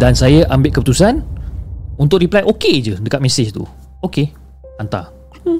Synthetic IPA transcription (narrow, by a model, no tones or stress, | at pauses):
dansajaʔambɪʔ̪̚kəpət̪usan | unt̪ʊʔ̚ɾiplajʔoked͡ʒədəkat̪̚meset͡ʃt̪ṵ | oke | ant̪a̰